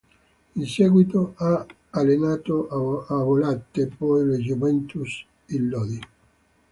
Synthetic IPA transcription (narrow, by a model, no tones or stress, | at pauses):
insɛɡwit̪oa | alenaːt̪oavolat̪ːepɔjled͡ʒumɛnt̪us | ilːɔði